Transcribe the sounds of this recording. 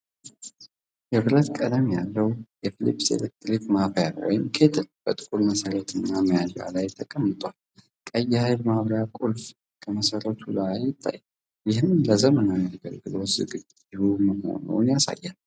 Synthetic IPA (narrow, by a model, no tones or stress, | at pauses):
jɛbɨɾət̪kʼəd̪amjalːəwjɛfilḭpʼːsḛlek̚t̪ɾikmafəja̰wɔ̰jɪmkʰe̞t̪ʰɨlb̥ət̪ʼɨkʼulməsəɾət̪ʰɨnːaməjala̰lajt̪ʰːəkʼəmːɨt̪ʼwal | kʼəjːhajlmaβɾjakʼulf | kʰəməsəɾət̪ʰulajːɪt̪ʰːa̰j | jɪɦɨnləzəmənaɡəɡəlɡɨlo̞tzɨ̰ɡ | ɪhuməho̞̰nṵnjasa̰jːal